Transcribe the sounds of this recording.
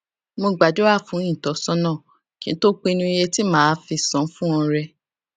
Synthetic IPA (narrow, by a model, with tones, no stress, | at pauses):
mo˧ɡ͡ba˨d͡ʒo˦a˦˨fũ˨˦ĩ˦˨tɔ˨˦sɔ̃˦nãː˦˨ | kĩ˨˦ñ̩˦to˦k͡pe˦˧nũ˧i˧je˧ti˦mãː˦fi˧sɔ̃˨˦fũ˦ɔ̃˧ɾɛ˧